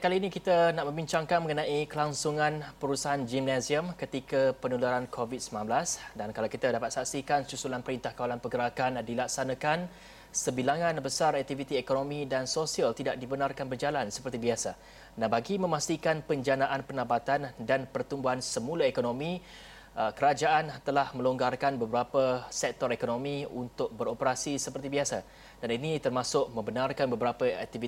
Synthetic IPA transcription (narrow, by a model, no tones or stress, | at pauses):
kaliːnĩkit̪anaʔmə̃mbiɲt͡ʃaŋkanməŋənãʔikəlaŋsuŋãnpəɾusaɦand͡ʒimnasziəmkət̪ikapənulaɾankʰovit̪̚səmlãnblasdankalawkit̪adapat̪̚saʔsikansusulanpəɾint̪ahkawalanpəɡəɾakandilak̚sanãkan | səbilaŋãnbəsarɛk̚t̪ivit̪iekonomĩdansosialt̪idaʔ̚dibənarkanbərd͡ʒalansə̥pərt̪ibiasa | nabaɡimə̃mast̪ikanpəɲd͡ʒanaʔanpənabat̪andanpərt̪umbuɦansəmulaekonomĩ | əkəɾad͡ʒaʔant̪əlahmə̃loŋɡarkanbəbəɾapəsɛk̚t̪ɔɾekonomĩunt̪ʊk̚bəɾopəɾasisəpərt̪ibiasa | d̥aninit̪ərmasʊʔ̚mə̃mbənarkanbəbəɾapəɛ̰k̚t̪ivi